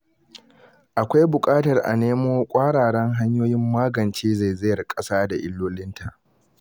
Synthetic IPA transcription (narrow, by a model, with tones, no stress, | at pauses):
ʔa˨kʷa˦jbʊ˨kʼaː˦tɐ˨rʔa̰˨neː˦moː˦kʷʼaː˦ɽaː˨ɽɛ˦ŋɦa˦ɲjoː˦jɪ˦mːaː˦ɡɐ˨nt͡ʃeː˦za˦˨jzɪ˦jɐ˨rkʼɐ˦saː˦da˨ʔɪ˦lːoː˦lɪ˦ntʰa˨ʔ